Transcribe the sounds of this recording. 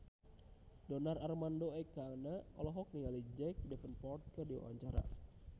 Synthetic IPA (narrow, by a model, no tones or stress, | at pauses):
dɔnararmandoɛkanaɔlɔɦɔk̚niŋalid͡ʒɛk̚dɛfənpɔrt̪̚kərdiwa̰wa̰ɲt͡ʃaɾa̰